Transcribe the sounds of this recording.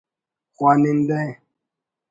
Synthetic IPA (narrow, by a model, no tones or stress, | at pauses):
kwanin̩dɛ